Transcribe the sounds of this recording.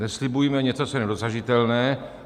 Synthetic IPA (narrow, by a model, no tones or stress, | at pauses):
nɛslɪbujimɛɲɛt͡sot͡sojɛnɛdoszaʒɪt̪ɛlnɛː